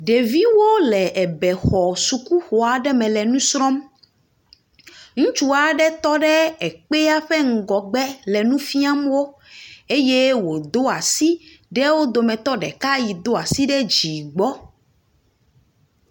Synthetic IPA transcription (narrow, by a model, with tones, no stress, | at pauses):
ɖe˨vi˦wo˦lɛ˨ʔɛ˨bɛ˨xɔ˨su˨ku˦xo˨a˨ɖɛ˦mɛ̃˨lɛ˨nũ˦sɾɔ˦m | ŋũ˦t͡ʃu˦a˨ɖɛ˦t̪ɔ˦ɖɛ˦ɛ˨k͡pe˦a˦ɸɛ˦ŋ̩˨ɡɔ˨ɡ͡bɛ˦lɛ˨nũ˦fi˦a˦mwo˦ | e˦je˦wo˨d̪o˦a˨si˦ | ɖɛ˦wo˦d̪o˨mɛ̃˨t̪ɔ˦ɖɛ̰˨ka˦ji˨d̪o˦a˨si˦ɖɛ˦d͡ʑi˨ɡ͡bɔ˦